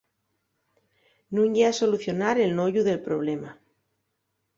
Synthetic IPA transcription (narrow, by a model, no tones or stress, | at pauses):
nũŋɟeaso̞luθjo̞naɾe̞lnoʝuðe̞lpɾo̞β̞lema